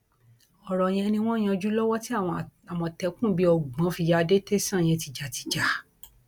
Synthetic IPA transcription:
ɔ˨ɾɔ˨j̃ɛ̃˧nĩ˧w̃ɔ̃˦j̃ɛ̃˧d͡ʒu˦lɔ˦wɔ˦ti˦a˦˨wɔ̃˧˨a˨wɔ̃˧tɛ˨˦kũ˦˨bi˦ɔ˧ɡ͡bɔ̃˨˦fi˧ja˧de˦te˦sã˦˨j̃ɛ̃˧ti˧d͡ʒa˨ti̥˧˦d͡ʒa˨˦

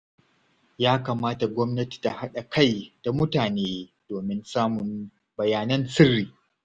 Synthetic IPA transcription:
jaː˦kaː˨maː˦ta˨ɡʷɔ˦mnɐ˦ti̥˨ta˨ha˦ɗa˨ka˦˨jd̥a˨mʊ˦taː˨neː˦d̥oː˨mɪ˦nsaː˦mʊ˨n | bɐ˨jaː˨nɐ˦nsɪ˦rːiː˨

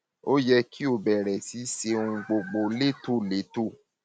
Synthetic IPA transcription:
o˦jɛ˧kʰi˦o˧˨bɛ˨ɾɛ˨si˨˦se˧ũ˧ɡ͡bo˧ɡ͡bo˧le˦to˦˨le˨˦to˦˨

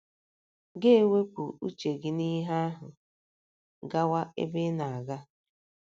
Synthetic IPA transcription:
ɡe˦e˦˨we˦kʷu˨ṵ˦t͡ʃe˨ɡɪ˦ni˦ɦa˦a˦ɦʊ̰˨ | ɡa˦wa˦ḛ˦be˦na˨a˨ɡa˦

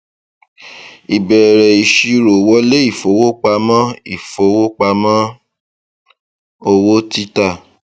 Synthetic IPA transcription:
i˨bɛ˨ɾɛ˨i˨ʃi˧ɾo˨wɔ˦le˦i˦˨fo˨˦wo˦k͡pa˧mã˦i˦˨fo˨˧˦wo˦k͡pa˧mã˦ | o˧wo˦ti˦ta˦˨

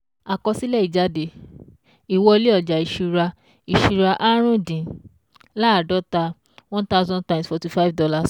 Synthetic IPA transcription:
a˨kɔ˧si˦lɛ˦i˨d͡ʒa˧de˨ | i˨wɔ˧le˦ɔ˨d͡ʒa˨i˨ʃu˧ɾa˧ | i˨ʃu˧ɾa˧ʔa˦ɾ̃ũ˦dĩ˨ | la˦˨dɔ˨˦ta˧ | wɔ̃˦ta˦ʊ˦zɔ̃˦ntã˨msfɔ˨ti˧˦fa˦vdɔ˧la˧s

